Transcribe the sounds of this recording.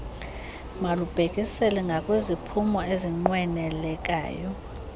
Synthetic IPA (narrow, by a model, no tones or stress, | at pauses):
malub̥ʱekʼisɛlɛŋɡʱakʼwezipʰumɔeziŋ͡ǃwɛnɛlɛk̬ʼa̰ːjɔ